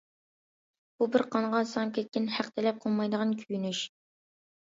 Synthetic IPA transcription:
b̥ubɪɾqʰɑnʁɑsɑmkʲʰɛt̪̚kʲɪnhæqt̪ʰɪlɛp̚qʰolˠmɑjd̪əʁɑnkʲʰyjynyʃ

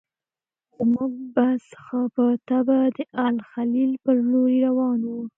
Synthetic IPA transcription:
muɡ̚bḁsə̥xapət̪abad̪əʔalxalilpəɾloɾiɾawɑnwu

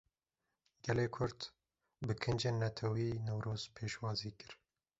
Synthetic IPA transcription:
ɡ̥ɛleːkʰʊɾt̪ | bɨkʰɨnd͡ʒeːnːɐt̪ʰɛwiːnɛwɾʔoːz̥pʰeːʃwɑːziːkɨɾ

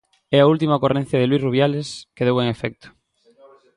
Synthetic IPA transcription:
ɛɐult̪̬imɐokoren̟θjɐðelwisruβjaleskeðeweɛŋefɛk̚t̪ʊ̥

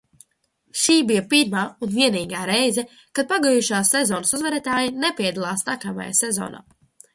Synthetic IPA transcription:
ʃiːbijɐpiɾmaːunviɛniːɡaːɾɛjzɛ | kad̪̚paɡajuʃaːsːezɔːnɐsuzvɛɾɛt̪aːjinepiɛd̪alˠaːsnakama̰ja̰sɛzɔ̰ːna̰ː

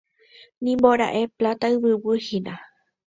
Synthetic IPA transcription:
nĩmboɾa̰ʔe̞plat̪aɨβɨwɨhinã

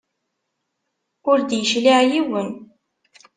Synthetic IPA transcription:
ʊɾd̪jəʃliʁjiwən

